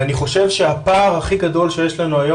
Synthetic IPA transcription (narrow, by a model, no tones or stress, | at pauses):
aniχo̞ʃe̞vʃe̞apaːʁhaχiɡado̞lʃe̞jeʃlanuajo